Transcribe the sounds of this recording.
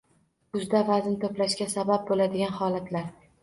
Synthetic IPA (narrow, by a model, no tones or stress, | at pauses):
kʊzd̪avaznt̪ʰoplaʃkʲasabap̚bolad̪ɪɡʲanhɒlat̪ʰlaɾ